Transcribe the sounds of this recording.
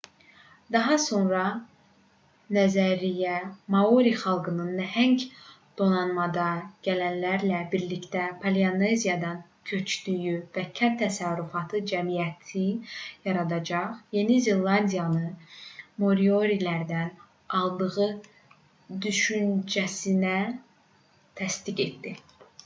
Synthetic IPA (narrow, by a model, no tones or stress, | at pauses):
d̪ɑɦɑso̞nɾɑ | næzæɾijæmɑuɾiχɑlˠɡɯnɯnːæhæŋc | d̪̥o̞nɑnmɑd̪ɑɟ̥ælænlæɾlæbiɾlict̪æpʰɑlionezijɑd̪ɑn | cʰø̞t͡ʃd̪̥yjyvæcʰænt̪ʰæsæɾɾyfɑt̪ʰɯd͡ʒæmijæt̪ʰijɑɾɑd̪ɑd͡ʒɑχje̞nize̞lˠːɑnd̪ijɑnɯ | mo̞ɾio̞ɾilæɾd̪æn | ɑlˠd̪ɯɣɯ | d̪yʃynd͡ʒæsinæ | t̪ʰæst̪iɡe̞t̪d̪i